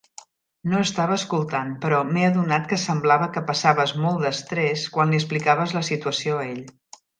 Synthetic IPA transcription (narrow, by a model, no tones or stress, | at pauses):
noəst̪aβəːskulˠt̪anpəɾɔmeəðunat̪kəsəmblaβəkəpəsaβəzmɔlˠd̪əst̪ɾeskwanliəsplikaβəzləsit̪uəsioəeʎ